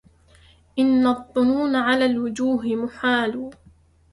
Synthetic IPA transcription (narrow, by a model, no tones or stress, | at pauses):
ʔɪnːɑðˤːʊnuːnaʕalaːlwʊd͡ʒuːɦɪmʊħaːluː